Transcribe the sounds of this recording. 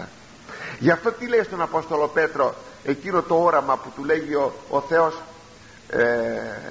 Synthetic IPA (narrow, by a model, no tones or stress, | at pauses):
ʝɐft̪o̞t̪ilejst̪o̞nɐpo̞st̪o̞lo̞pe̞t̪ɾo̞e̞cino̞t̪o̞oɾɐmɐput̪ule̞ʝiooθe̞o̞s